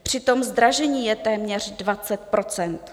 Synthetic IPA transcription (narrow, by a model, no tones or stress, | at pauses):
pr̝̥ɪt̪o̞mzd̪ɾaʒɛɲiːjɛt̪ɛːmɲɛr̝dvat͡sɛt̪̚pɾo̞t͡sɛnt̪